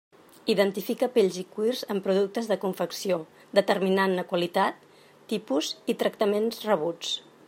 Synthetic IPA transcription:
iðənt̪ifikəpeʎzikwirzəmpɾuðuk̚t̪əzðəkuɱfəksio | d̪ət̪ərminanːəkwəlit̪at̪ː | ipuzit̪ɾək̚t̪əmenzrəβ̞ut͡s

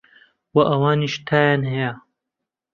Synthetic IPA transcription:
wɐʔɐwaːniʃt̪ʰaːjaːnhɐja

